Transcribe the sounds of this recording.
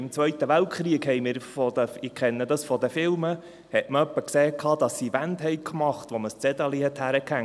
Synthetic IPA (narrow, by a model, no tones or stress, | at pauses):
ɪmt͡sʋœɥt̪əʋæltχɾiəkhɛjmɪːɾfɔd̪əɪkχɛnːədɑsfɔd̪əfɪlmə | hɛtməœpːəkseːkʰɑːd̥̪ɑsːivænthɛjkʰmɑχt̪ʋoməst͡sɛd̪ɑlihɛt̪hæɾəkhæŋ